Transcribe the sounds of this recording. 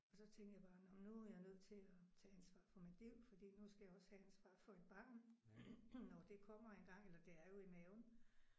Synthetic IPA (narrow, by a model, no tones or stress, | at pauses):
ɒ̽sɒ̽t͡sʰeŋɡ̥jäb̥ɑ̈ːnɒmnuæjanøð̰ˠt͡sʰe̝læt͡sʰɛːænsʋɑ̰̈ːfɒ̽min̥liʊ̰fɒd̥ḭːnusɡ̥æjɑ̈ɒ̽shæænsʋɑ̰̈ːfɒ̽e̝d̥b̥ɑ̈ːn | nɒd̥e̝kʰɒ̽m̰ɐe̝nɡ̥ɑ̈ŋ̰elɐd̥e̝æɐjo̝imɛːʊn